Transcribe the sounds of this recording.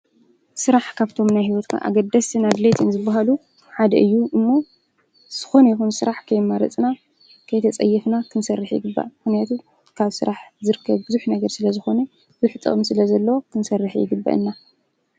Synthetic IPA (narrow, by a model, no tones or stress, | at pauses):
sɨɾaħkʰaβt̪ʰo̞mnajɦiwɔt̪kʰa̰ʔa̰ɡɐd̪ːɐst̪ʰɨnad̪let̪ʰinzɨbːaɦalu | ħad̪ɐʔɨjːuʔɨmːo | z̥ɨ̥xo̞nɐjɛxunsɨɾaħkʰɐjmɐɾɐ̰t͡sʼna | kʰɐjt̪ʰɐt͡sʼɐ̰jːɛfnakʰɨnsɐrːɨħjɪ̰ɡɨbːa̰ʔmɨxnijat̪ʰu | kʰaβsɨɾaħzɨɾɨkʰːɐβbɨzuħnɐɡɐɾsɨlɐzɨxo̞nɐ | zuħt̪ʼɨ̰χʼɨmsɨlɐzɐlːɐwo̞kʰɨnsɐrːɨħjɪ̰ɡɨbːa̰ʔɨ̰nːa